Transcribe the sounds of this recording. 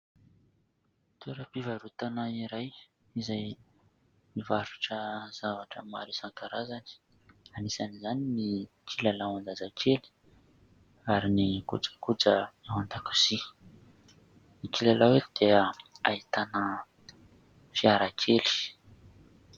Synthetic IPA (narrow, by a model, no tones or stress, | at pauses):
t̪ʰuɾəpivaɾut̪anaiɾaj | izaj | mivaɾu̥ʈ͡ʂəz̥avaʈ͡ʂə̰ma̰ɾisaŋkaɾazani̥ | anisanizanini | kʰilalawand̪azakʰeli̥ | aɾinikṵt͡sə̥kut͡səawand̪aku̥z̥i | nikilalawed̪̥eaait̪anə | fiaɾakʰeli̥